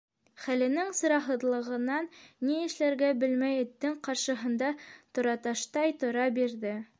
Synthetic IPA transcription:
χælɘ̆nɘŋsɤ̆ɾɑɦɤ̆ðlˠɤ̆ʁɤ̆nɑnːiɘ̆ʃlæɾɡæbɘlmæjɵ̆t̪ːɘɴqɑɾʃɤ̆ɦɤ̆nd̪ɑt̪ŏɾɑt̪ɑʃt̪ɑjt̪ŏɾɑbiɾðɘ

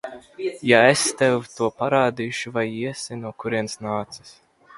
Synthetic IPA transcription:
jaest̪ɛwt̪uɔpaɾaːd̪iːʃuvajiɛsinuɔkuɾiɛnsnaːt̪sɨ̥s

